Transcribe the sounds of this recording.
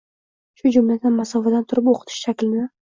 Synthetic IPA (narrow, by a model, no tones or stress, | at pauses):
ʃʊd͡ʒʊmlad̪anmasɒvad̪ant̪ʰʊɾɪpoqʰɨ̥t̪ʰɪ̥ʃʃakʲlɪnɪ